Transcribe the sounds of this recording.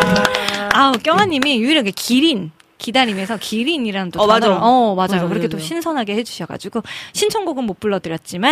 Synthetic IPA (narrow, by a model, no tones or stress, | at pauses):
aok͈jʌŋɦaɲːimijuiɾɯɡekʰiɾin | kidaɾime̞sʰʌkʰiɾiɲiɾanɯndonʌmad͡ʑajokɯɾʌkʰet͈oɕʰinsʰʌnɦaɡe̞he̞d͡ʑuɕʰʌɡa̰d͡ʑiɡoɕʰint͡ɕʰʌŋɡoɡɯnmop͈uɭːʌdɯɾjʌt̚t͡ɕ͈ima